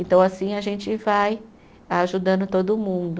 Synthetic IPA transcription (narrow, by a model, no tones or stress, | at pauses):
ẽnt̪ɐ̃w̃asĩaʒẽnt͡ʃɪvaj | aʒud̪ɐ̃nd̪ʊt̪od̪ʊmũd̪ʊ